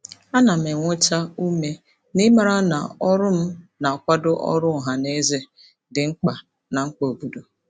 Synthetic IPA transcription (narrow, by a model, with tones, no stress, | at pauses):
a˦na˨m̩e˨ŋʷʊ˦t͡ʃa˦u˦me˦ | nɪ˦ma˨ɾa˦na̰˨ɔ˦ɾʊ˦m̩˦na˨kʷa˦dʊ˦ʔɔ̰˦ɾʊ˦˨ɦa˨ne˦ze˦ | dɪ˨ŋ͡m̩˦k͡pa˨ | na˨ŋ͡m̩˦k͡po˨o˨bu˨do˨